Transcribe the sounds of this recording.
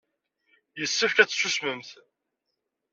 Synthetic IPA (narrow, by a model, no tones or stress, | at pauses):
jəsːəfkæt͡sːsusməmθ